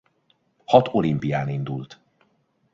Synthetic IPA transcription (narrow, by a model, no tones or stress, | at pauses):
hɒt̪ʰo̞limpijaːnind̪ult̪